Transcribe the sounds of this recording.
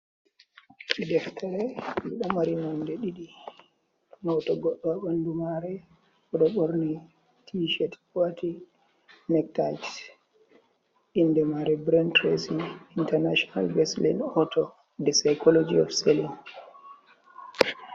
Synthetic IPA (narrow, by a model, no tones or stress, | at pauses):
ʔidɛftʰɛɾɛiɗamaɾinɔndɛɗiɗi | nɔtɔɡɔɗːɔaɓandumaɾɛ | ɔɗɔɓoɾni | tʰiʃɛtwati | nɛk̚ta̰jt | indɛmaɾɛbɾɛntɾesiintɛɾnaʃɔna̰lɡɛslḭnɔtʰɔ | dɛsajkɔlod͡ʒiɔ̰fselin